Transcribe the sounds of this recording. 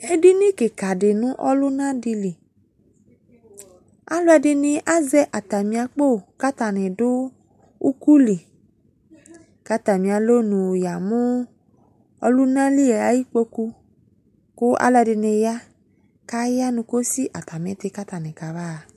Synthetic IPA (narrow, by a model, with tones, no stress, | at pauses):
e˦dɪ˦nɪ̃˦kɪ˨ka˨dɪ˨nʊ̃˦ʔɔ˦lʊ˦nã˦di˧li˨ | a̰˦lʊ˦ɛ˨dɪ˨nɪ̃˨ʔa˦zɛ˦ʔa˨t̪a˨mĩ˨a˨k͡po˦˨ka˦t̪a˨nɪ̃˨dʊ˦ | u˦ku˦li˨ | ka˦t̪a˨mĩ˨a˨lo˦nũ˨ja˨mʊ̃˦ | ɔ̰˦lʊ˦nã˦li˦e˨a˨˦ji˦k͡po˦ku˦ | kʊ˦ʔa̰˦lʊ˦ɛ˧˨dɪ˨nɪ̃˨ja˦ | ka˦ja˦nʊ̃˨ko˦si˦ʔa˨t̪a˨mɪ̃˨t̪ɪ˦ka˦t̪a˨nɪ̃˨ka˨βa˦˨